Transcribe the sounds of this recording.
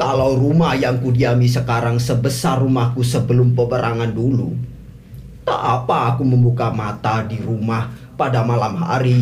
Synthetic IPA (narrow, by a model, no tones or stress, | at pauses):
kalawrumahjaŋkudiamisəkaɾaŋsəbəsarumahkusəbəlʊmpəbəɾʔaŋandulṵ | t̪a̰ʔapaːkuməmbukamat̪adiɾumah | padamalamɦa̰ɾi